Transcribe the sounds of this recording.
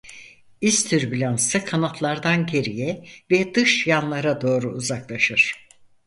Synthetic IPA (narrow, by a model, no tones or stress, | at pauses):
ist̪ʰyɾbilʲansɯkʰanat̪ʰlˠaɾd̪anɟe̞ɾijɛvɛd̪ɯʃjanlˠaɾad̪o̞ːɾuːzaklˠaʃɯɾ̥